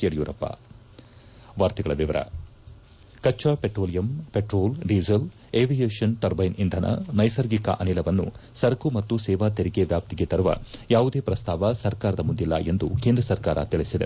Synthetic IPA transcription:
ɐɽjuːɾɐpːa̰ | ʋaːɾt̪iɡɐɭɐʋiʋɐɾɐ̰ | kɐt͡ʃːapeʈɾoːlijɐmpeʈɾoːlɖiːzɐl | eːʋijeːʂɐnʈɐɾbɐjnʔind̪ʱɐnʔɐ̰nɐjsɐɾɡikɐ̰ʔɐnilɐʋɐnːṵsɐɾkumɐt̪ːusɛːʋaːt̪eɾikeʋjaːp̚t̪iɡet̪ɐɾuʋɐ̰jaːʋud̪e̞ːpɾɐst̪aːʋɐsɐɾkaːɾɐd̪ɐmund̪ilːɐ̰ʔe̞nd̪ukend̪ɾɐsɐɾkaːɾɐ̰t̪iɭisid̪e

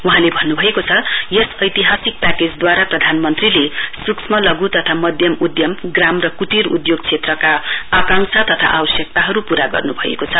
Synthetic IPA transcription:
uɦãlebʱʌnːubʱʌekot͡sʰʌjʌsʌjt̪iɦasik̚paked͡zd̪waɾaprʌd̪ʱanmʌnt̪rilesuksmʌlʌɡut̪ʌt̪ʰamʌd̪ʱjʌmud̪jʌmɡramrʌkut̪iɾṵd̪joɡ̚t͡sʰet̪rʌkaːkaŋsʰat̪ʌt̪ʰa̰ʔabʌsjʌk̚t̪aɦʌɾupuɾaɡʌ̰rnubʱʌḛkot͡sʰʌ

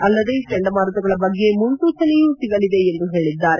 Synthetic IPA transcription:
ɐlːɐd̪eʈeɳɖɐmaːɾɐt̪uɡɐɭɐbɐɡːe̞muɳʈ̪uːt͡ʃɐnejuːsiɡɐlid̪e̞ːnd̪uɦe̞ːɭid̪ːaːɾe

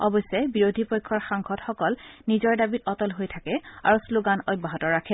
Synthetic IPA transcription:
ɔbɔjsɛbiɹodʱipɔjkʰːɔɹxaŋxɔtxɔkɔlnizɔɹdabitɔtɔlɦojtʰakɛa̰ɹusloɡanɔjbaɦɔtɔɹakʰɛ

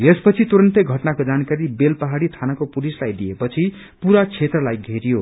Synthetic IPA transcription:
espʌt͡sʰit̪uɾʌnt̪eɡʱʌʈnakod͡zankaɾibelpʌɦaɽit̪ʰanakopulislajd̪iepʌt͡sʰi | puɾat͡sʰet̪rʌlajɡʱeɾijo

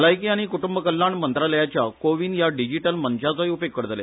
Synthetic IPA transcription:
lajkiaɽ̃ikuʈumbəkəlːaɳmənt̪ɾaləjat͡ɕjakoʋiːnjaɖid͡ʑiʈəlmənt͡ɕat͡saɦiupekːəɽət̪əlḛ

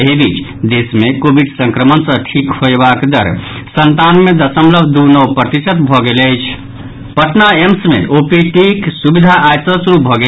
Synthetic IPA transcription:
ɦebit͡ʃʰ | d̪esmekobiɖsə̃ŋkɾəmənsə̃ʈʰikhoebakd̪əɾ | sənt̪anmed̪əsəmləbʱd̪unəwpɾət̪it͡ʃət̪bʱɔɡeləjt͡ʃʰ | pəʈnaemsmḛʔopiʈiksubid̪ʱaʔajsəsɾup̚bʱɔɡe

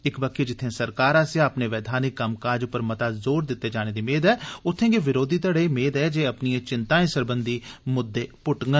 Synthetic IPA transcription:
ɪkbakeːd͡ʒɪt̪ʰːẽːsəɾkaːɾãːsjãːəpneːʋɛːd̪ʱaːnikːəmkaːd͡ʒpəɾmət̪aːzoːɾd̪ɪt̪ːeːd͡ʒaːneːd̪iːmeːd̪ɛːʊt̪ʰːẽːɡeːʋɪɾoːd̪iːt̪əɽeimeːd̪ɛːd͡ʒeːəpnijãːt͡ʃɪnt̪aːẽːsəɾbənd̪iːmʊd̪ːeːpʊʈŋɡə

